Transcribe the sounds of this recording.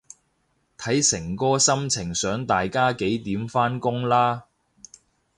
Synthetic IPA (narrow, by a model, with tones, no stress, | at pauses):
t̪ʰɐ˨˥jsɪ˨˩ŋkɔː˥sɐ˥mt͡sʰɪ˨˩ŋsœː˨˥ŋt̪aː˨jkaː˥ke˨˥jt̪iː˨˥mfaː˥nkʊ˥ŋlaː˥